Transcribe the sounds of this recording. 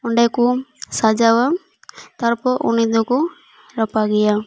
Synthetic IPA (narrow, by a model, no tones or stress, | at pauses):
ʊɳɖɛkusad͡ʒawa | t̪ɔɾpɔʔṵnid̪ɔku | ɾɔpaɡɛja